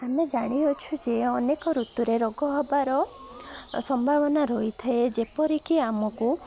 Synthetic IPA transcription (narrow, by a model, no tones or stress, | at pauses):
amed͡ʒaɽ̃iɦot͡ʃʰud͡ʒeɔnekɔɾut̪uɾeɾɔɡɔɦɔbaɾɔ | sɔmbʱabɔnaɾoit̪ʰaed͡ʒepɔɾikiamɔku